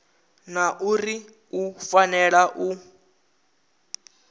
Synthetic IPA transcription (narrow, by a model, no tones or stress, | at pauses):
naʔuri | ufanɛɺaʔu